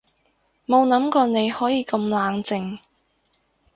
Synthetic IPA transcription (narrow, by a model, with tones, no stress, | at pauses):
mo˨˧wnɐ˨˥mkɔː˧ne˨˧jhɔː˨˥jiː˧kɐ˧mlaː˨˧ŋt͡sɪ˨˧ŋ